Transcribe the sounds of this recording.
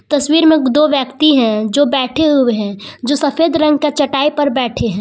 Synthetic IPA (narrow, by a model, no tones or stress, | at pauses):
t̪ɐswiːɾmẽd̪oːʋjɐkt̪iɦɛ̃d͡ʒoːbɛːʈʰeɦʊeɦɛ̃d͡ʒoːsɐfeːd̪ɾɐ̃ŋɡ̚kat͡ʃɐʈaːipɐɾbɛːʈʰeɦɛ̃ː